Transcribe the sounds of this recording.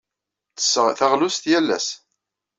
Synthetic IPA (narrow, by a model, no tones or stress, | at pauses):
θə̥sθaʁlʊst̪jælːæ̰s